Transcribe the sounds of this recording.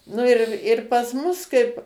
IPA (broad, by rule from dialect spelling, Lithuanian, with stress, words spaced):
ˈnʊ ɪr ɪr pɐs ˈmʊs ˈkɐɪp